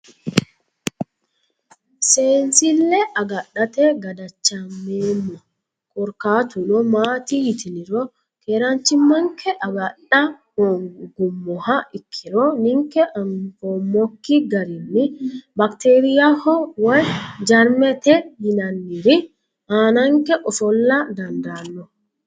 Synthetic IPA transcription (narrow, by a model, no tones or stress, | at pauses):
seːnsɪlːɛʔɐɡɐɗːɐt̪ɛɡɐd̪ɐt͡ʃːɐmːeːmːɔ | kʼɔɾkaːt̪ʊnɔmaːt̪ihɪt̪ɪnɪɾɔ | keːɾant͡ʃːɪmːɐŋkʰɛʔɐɡɐɗɐhoɡɡʊmːɔhaʔɪkʰːɪɾɔnɪŋkɛʔɐmfomːɔkːiɡɐɾɪnːɪbɐkt̪eːɾɪjahɔwɐjd͡ʒɐɾmɛt̪ɛhɪnɐnːɪɾɪ | ʔaːnɐŋkɛʔɔfɔlːɐd̪ɐnd̪aːnːɔ